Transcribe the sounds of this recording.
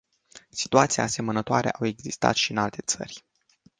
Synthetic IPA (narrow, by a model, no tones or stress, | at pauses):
si̥t̪uat̪sia̰ase̞mənət̪oaɾe̞̰ʔawe̞ɡzist̪a̰t̪ʃiɨnalt̪e̞t̪sə̰rʲ